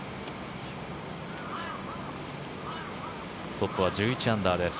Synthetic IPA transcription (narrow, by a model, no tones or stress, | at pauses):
t̪o̞pːɯ̟β̞ad͡ʑɨːit͡ɕiãnd̪aːd̪e̞s